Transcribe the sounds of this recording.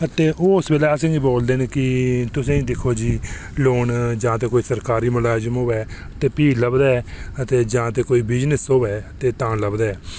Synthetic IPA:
ət̪eːʔoːsbeːlaːsə̃ŋɡiboːld̪eːneːkɪt̪ʊsẽːĩːd̪ɪkʰːoːd͡ʒiːloːɳd͡ʒãːt̪eːkoːiːsəɾkaːɾiːmʊlaːzəmɦoːʋɛː | ət̪eːpiːləbd̪aːɛːət̪eːd͡ʒãːt̪eːkoːiːbɪd͡ʒnəsoːʋɛːət̪eːt̪ãːləbd̪aːɛː

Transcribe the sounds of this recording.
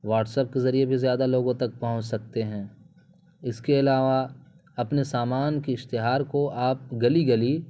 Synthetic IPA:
ʋaːʈsɛp̚kezɐɾiebʱizjaːd̪aloːɡõt̪ɐk̚pɐɦʊ̃t͡ʃsɐk̚t̪eɦɛ̃ː | ɪskeɪlaːʋa | ɐpnesaːmaːnkiɪʃt̪ɪɦaːɾkoaːp̚ɡɐliɡɐli

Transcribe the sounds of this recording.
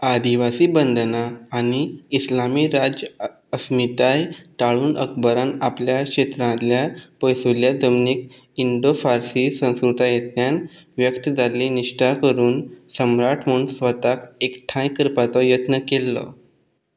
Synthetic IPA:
ad̪iʋasiːbənd̪ʱnaːñiːslamiːɾad͡ʑə | əsmit̪ajʈ̪aɭuːnʔə̰kʰbəɾãnapljakɕet̪ɾãljapɔjsuljad͡zəmnik | iɳɖofaɾsisə̃w̃skɾut̪ajət̪njan | ʋjəkt̪d͡zaliniʂʈakəɾuːnsəmɾaʈʰm̤ənsʋət̪akekʈʰãjkəɾpat͡sɔjət̪nəkelːɔ̰

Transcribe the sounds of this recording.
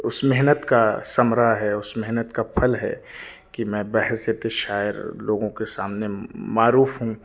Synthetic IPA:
ʊsmɪɦnət̪kasɐmɾaɦɛʊsmɛɦnət̪kapʰɐlɦɛ̰ | kimɛ̃ːbɛɦɛseːt̪eʃaːjɪɾloːɡõkesaːmnemaːɾuːfɦũ

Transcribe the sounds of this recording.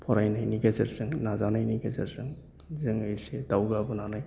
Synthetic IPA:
pʰɔɾajnajniɡezeɾsɯŋnazanajniɡɛzeɾsɯŋ | zɯŋɯjsed̪awɡabɔnanaj

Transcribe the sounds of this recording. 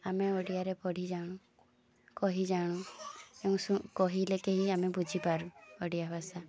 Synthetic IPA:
ameɔɽijaɾepɔɽ̤ʱid͡ʒaɽ̃ũ | kɔɦid͡ʒaɽ̃ũeũsukɔɦilekeɦiamebud͡ʒʱipaɾũɔɖijabʱasa

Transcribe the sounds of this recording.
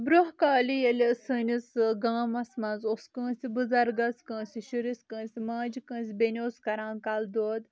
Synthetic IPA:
bɾoɦkaːlijɐlʲesəːnʲisɡaːmɐsmɐnzoskə̃ːsibɨzɐɾɡɐskə̃ːnsʲiʃɨɾiskə̃ːnsʲimãːd͡ʒikə̃ːns̬ʲbenʲioskɐɾãːnkald̪oːd̪

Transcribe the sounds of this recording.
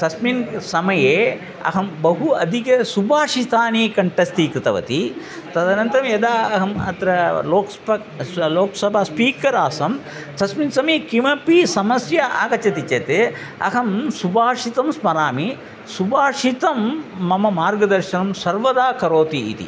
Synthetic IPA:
t̪ʰɐsminsɐmɐjeː | ɐ̰ɦɐmbɐɦuɐd̪ʱikɐsubʱaːʂit̪aːniːkɐɳʈɐst̪iːkɾit̪ɐʋɐ̰t̪i | t̪ɐd̪ɐnɐnt̪ɐɾɐmjɐd̪aːɐɦɐmɐ̰t̪ɾɐloːkspɐkloːksɐbʱaːspiːkɐɾaːsɐm | t̪ʰɐsminsɐmɐjekimɐpisɐmɐsjɐʔa̰ːkɐt͡ʃɐt̪it͡ʃet̪e | ɐ̰ɦɐmsubʱaːʂit̪ɐmsmɐɾaːmi | subʱaːʂit̪ɐmːɐmɐmaːɾɡɐd̪ɐɾʃɐnɐmsɐɾʋɐd̪aːkɐɾoːt̪ḭːt̪ḭ

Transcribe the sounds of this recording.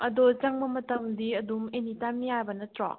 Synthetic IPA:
ɐdot͡ʃaŋbɐmɐtɐmdiɐdumenitamijajbɐnɐtɾɔ̰

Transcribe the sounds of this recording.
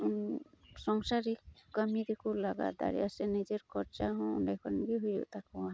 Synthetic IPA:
sɔŋsaɾikːəmid̪ekulaɡa̰d̪a̰ɾḭjasɛnid͡ʒeɾkɔɾt͡ʃaɦɔ̃ṵnɖajkʰɔɾnɡiɦujd͡ʒɔ̰ʔt̪akɔwa

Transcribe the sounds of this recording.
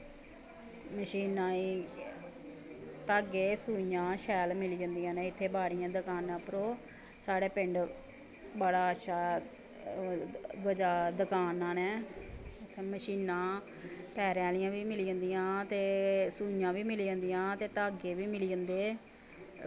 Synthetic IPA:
məʃiːnãːiː | t̪aːɡeːsuːijãːʃɛːlmɪlːd͡ʒə̃nd̪ijãːnɛ̃ːɪt̪ʰːeːbaːɽɪjãːd̪əkaːnãːpəɾoː | saːɽeːpɪɳɖ | baːɽaːətːʃʰaː | ʋəd͡ʒaːd̪əkaːnãːnɛː | t̪ʰːeməʃiːnãː | pɛːɾãːlɪjãːʋiːmɪlːənd̪ijãːt̪eːsuːijãːʋiːmɪlːd͡ʒə̃nd̪ijãːt̪eːt̪aːɡeːʋiːmɪliːənd̪eː

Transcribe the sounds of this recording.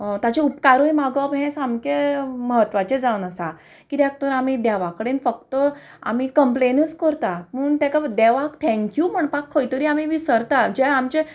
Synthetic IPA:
t̪at͡ɕeupkaɾojmaɡɔbʱɦẽsamkeməɦət̪ːʋat͡ɕed͡zaunəsa | kit̪jak̚t̪əɾamid̪aʋakːəɽenfək̚t̪ə | a̰mikəmplenəskəɾt̪aməːɳt̪jakad̪ɛʋakt̪ʰɛ̃ŋkjuməɳpakʰːojt̪əɾiamiʋisəɾt̪ad͡ʑeamt͡ɕe

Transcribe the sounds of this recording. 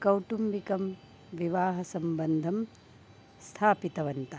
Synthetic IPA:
kɐwʈumbikɐm | ʋiʋaːɦɐsɐmbɐnd̪ʱɐm | st̪ʰaːpit̪ɐʋɐnt̪ɐ

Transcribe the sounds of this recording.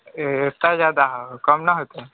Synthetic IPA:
et̪azjad̪akəmnaɦot̪e

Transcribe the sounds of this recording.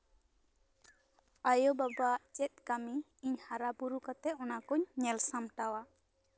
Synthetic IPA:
ajɔbabaʔt͡ʃɛt̪̚kami | ɲhaɾabuɾukat̪ɛɔnakuɲnɛlsamʈawa

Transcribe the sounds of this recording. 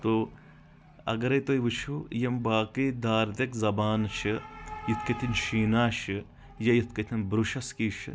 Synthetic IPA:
t̪oː | ɐ̰ɡɐɾɐjt̪ojʋɨt͡ʃʰujɐmbaːkiːd̪aːɾt̪ekzɐbaːnt͡ʃʰɨjit̪ʰkɐt̪ʰinʃiːnaːʃɨ | jɐjit̪̚ʰkɐt̪ʰinbɾuʃɐskiːʃʰɨ

